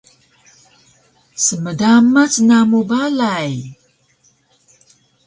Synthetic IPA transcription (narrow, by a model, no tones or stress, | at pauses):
səmədamat͡snamubalaj